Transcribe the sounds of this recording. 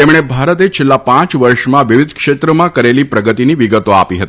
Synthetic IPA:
emɽ̃ebʱaɾət̪et͡ʃʰelːapãt͡ʃʋəɾʃmãʋiʋid̪ʱkʃet̪ɾəmãkəɾelipɾəɡət̪iniʋiɡət̪oa̰piɦət̪i̥

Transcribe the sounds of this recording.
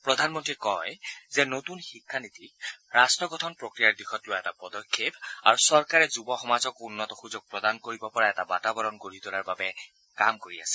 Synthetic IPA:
pɹɔdʱanmɔntɹikɔjzɛnotunxikʰːanit̪ʰikɹastɹɔɡɔtʰɔnpɹokɹijaɹdixɔtlʊwaɛtapɔdɔkʰːepa̰ɹusɔɹkaɹɛzubɔxɔmazɔkunːɔtɔxuzɔk̚pɹɔdankoɹibɔpɔɹaɛtabatabɔɹɔnɡoɹit̪ʊlaɹbabɛ | kamkoɹia̰sɛ̥

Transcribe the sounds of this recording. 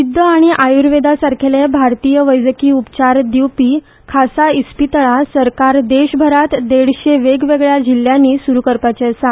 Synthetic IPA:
ud̪ʱːəaɽ̃iʔajuɾʋed̪asaɾkʰelebʱaɾt̪ijəʋəjd͡zəkiːupt͡ɕaɾd̪iwpiː | kʰasaispit̪ɭasəɾkaɾd̪eɕbʱəɾat̪d̪eɽɕeʋeɡʋeɡɭjad͡ʑilːjãnːiːsuɾukəɾpat͡ɕeəsa

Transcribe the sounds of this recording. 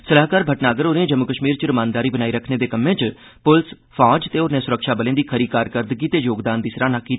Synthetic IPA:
səlaːkaːɾbʱəʈnaːɡəɾoːneẽd͡ʒəmːʊkəʃmiːɾt͡ʃɾəmãːnd̪aːɾiːbənaːiːɾəkʰneːd̪eːkəmẽːt͡ʃ | pʊls | pʰaːd͡ʒt̪eːoːɾneːsʊɾəkʃaːbəlẽːd̪iːkʰəɾiːkaːɾkəɾd̪əɡiːt̪eːjoːɡd̪aːnd̪iːsɾãːnãːkiːt̪ː

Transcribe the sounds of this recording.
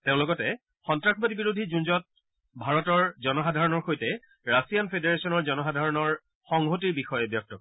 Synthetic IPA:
teʊ̃lʊkɔtɛ | xɔntɹakʰɔbatibiɹodʱizunzɔt̚ | bʱaɹɔtɔɹzɔnɔxadʱaɹɔnɔɹxojtɛ | ɹasijanpʰedeɹesɔnɔɹzɔnɔxadʱaɹɔnɔɹ | xɔŋɦotiɹbixɔjɛbjɔk̚tɔkɔ

